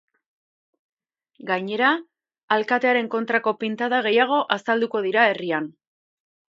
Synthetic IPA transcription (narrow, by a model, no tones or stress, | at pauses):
ɡaɲe̞ɾaː | lkat̪e̞aɾe̞ŋko̞nt̪ɾako̞pint̪aðaɣ̞e̞jaɣ̞o̞ʔasald̪uko̞ð̞iɾae̞rian